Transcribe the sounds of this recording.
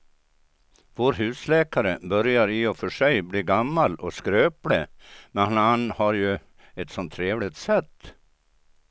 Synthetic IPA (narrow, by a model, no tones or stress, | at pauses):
voːɾɦʉ̟ːslɛːkaɾəbœɾjaɾɪɔfœʂɛjbliːɡamːalɔskɾøːpləmɛnhnanhaɾjɵ | ɛt̪sɔnt̪ʰːɾeːvlɪt̪sɛt̪ː